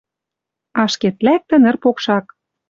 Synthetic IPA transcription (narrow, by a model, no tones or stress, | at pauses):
ɑʃket̪læk̚t̪ɘ̆nɘ̆rpokʃɑk